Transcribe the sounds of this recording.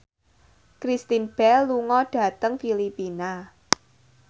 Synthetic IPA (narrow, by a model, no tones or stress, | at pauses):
kɾist̪inb̥ɛluŋɔɖ̥ä̤t̪əŋfilipina